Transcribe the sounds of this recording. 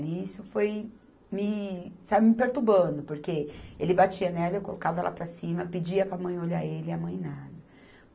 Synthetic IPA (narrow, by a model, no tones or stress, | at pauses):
liisʊfoj | mɪsabʊmɪpeɾt̪ubɐ̃d̪ʊpoɾkeelɪbat͡ʃiɐnɛɾd̪ɐewkolokavɐɛlʔa̰pɾɐsĩmɐpɪd͡ʒiɐpɾamɐ̃j̃oʎaelɪamɐ̃j̃nad̪ɐ